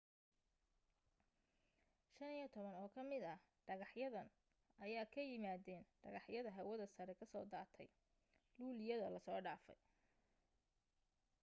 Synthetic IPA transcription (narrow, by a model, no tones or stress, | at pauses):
ʃɐnijɔt̪ʰɔβɐnɔːkʰɐmɪd̪ɐ | ɖɐɣɑħjɐðɐn | ʔɐjaːkʰɐjɪmaːðɛːnɖ̥ɐɣɑħjɐðɐɦɐwɐðɐsɐɾɛkʰɐsɔːd̪aːrt̪ʰɛj | luːlɪjɐðɐlɐsɔːɖaːfɛ̰j